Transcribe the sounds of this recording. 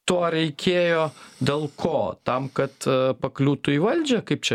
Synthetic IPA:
t̪oːɾʲɛɪkʲeːjoːd̪ʲeːlˠkʰoːt̪ɐmkɐt̪pɐklʲuːt̪ʊiʋɐlʲd͡ʒʲɛkɐɪp̚t͡ʃʲɛ

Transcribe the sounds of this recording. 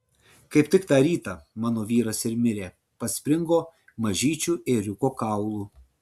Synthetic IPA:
kɐɪpʲt̪ʲɪkt̪ɑːɾʲiːt̪ɑːmɑːnoːʋʲiːɾɐsɪɾmʲɪɾʲeː | pɐsʲpʲɾʲɪŋɡoː | mɐʒʲiːt͡ʃʲuːeɾʲʊkoːkɑˑʊlˠuː

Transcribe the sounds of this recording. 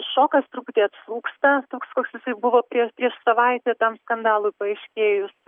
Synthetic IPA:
ʃoːkɐst̪ɾuːpʊt̪ʲeːɐt̪slˠuːkst̪ɐt̪oːkskoːksjɪsɐɪbʊʋoːpʲɾʲiɛpʲɾʲiɛʃsɐʋɐɪt̪ʲɛt̪ɐmskɐnd̪ɑːlˠʊɪpɐɛɪʃʲkʲeːjʊs

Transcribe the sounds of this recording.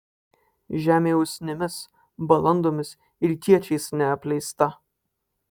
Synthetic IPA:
ʒʲæːmʲeːʊsʲnʲɪmʲɪs | bɐlˠɐnd̪oːmʲɪs | ɪɾt̪ʲiɛt͡ʃʲɛɪsnʲɛɐpʲlʲɛɪst̪ɐ

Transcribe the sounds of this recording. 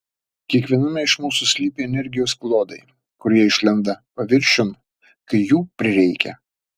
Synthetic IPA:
kʲiɛkʋʲiɛnɐmʲɛɪʃmuːsusʲlʲiːpʲeːɛnʲɛɾʲɡʲɪjoːsplˠoːd̪ɐɪ | kʊɾʲiɛɪʃʲlʲɛnd̪ɐpɐʋʲɪɾʲʃʲʊn | kɐɪjuːpʲɾʲɪɾʲɛɪkʲɛ

